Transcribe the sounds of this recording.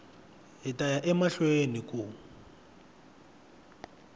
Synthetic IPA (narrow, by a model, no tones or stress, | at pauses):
ɦitʼajaʔɛmaɬweniku